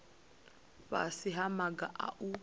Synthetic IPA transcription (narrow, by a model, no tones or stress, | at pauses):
βa̰siɦamaɡaʔa̰ʔu